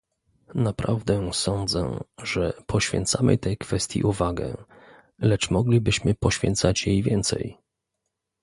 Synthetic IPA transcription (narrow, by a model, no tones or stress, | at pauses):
napɾavd̪ɛsɔnd̪zɛ̰ʐɛpʰɔɕfʲjɛ̰nt̪samɘ̰t̪ɛjkfɛst̪ʲjḭʔuvaɡɛ̰ | lɛt͡ʂmɔɡlʲibɘɕmɘpɔɕfʲɛ̰nt̪sat͡ɕjejvʲjɛnt̪sɛ̰j